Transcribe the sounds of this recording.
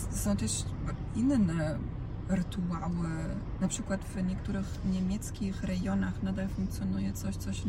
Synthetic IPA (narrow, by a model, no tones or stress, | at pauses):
sɔ̃w̃t̪ɛʂ | inːnɛ | ɾɨt̪uawnapʂɘkwat̪vɲɛkt̪uɾɘxɲɛmʲjɛt̪skʲixɾɛɡjɔnaxnad̪alfuŋk̚t̪sjɔnujɛt̪sɔɕt̪sɔɕ